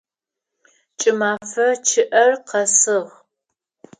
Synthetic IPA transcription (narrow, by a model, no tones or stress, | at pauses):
t͡ʃʼɪmaːfɐt͡ʃʰɪʔɐrqɐsɨʁ